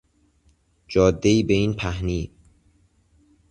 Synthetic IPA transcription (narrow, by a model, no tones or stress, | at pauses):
d͡ʒɒːd̪ːe̞iːbe̞iːnpʰæhniː